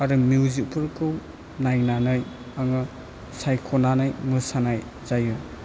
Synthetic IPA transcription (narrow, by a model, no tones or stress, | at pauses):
aɾɯmjuwzik̚pʰɯlkʰɯw | najnanɯj | aŋɯ | sajkʰonanajmɯsanaj | zaju